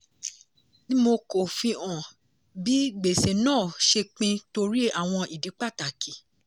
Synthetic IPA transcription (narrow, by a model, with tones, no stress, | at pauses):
nĩ˦mo˧ko˨fĩ˧ɔ̃˨ | bi˦ɡ͡be˨se˨nãː˦˨ʃe˧k͡pĩ˧to˧ɾi˦a˨w̃ɔ̃˧i˨di˨˦k͡pa˦˨ta˨ki˨˦